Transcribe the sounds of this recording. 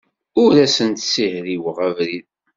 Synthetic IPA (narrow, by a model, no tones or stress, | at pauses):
ʊɾæsənt̪sihɾiwəʁævɾið